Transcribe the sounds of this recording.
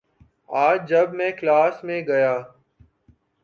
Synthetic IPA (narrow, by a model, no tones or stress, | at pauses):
aːd͡ʒəbmɛ̃ːklaːsmẽːɡəjaː